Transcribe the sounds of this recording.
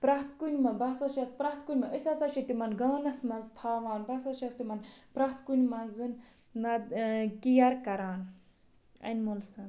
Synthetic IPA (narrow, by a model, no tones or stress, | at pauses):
pɾaɦt̪kunʲmɐbɐsɐʃɐspɾaht̪kunʲmɐʔɨsʲɐsɐʃʰit̪imɐnɡɐːnɐsmɐnzt̪ʰaːʋaːnbɐsɐʃast̪imɐnpɾat̪kunʲmɐnzɨn | nɐd̪kijaɾkɐɾaːn | ɐ̰nmolsɐn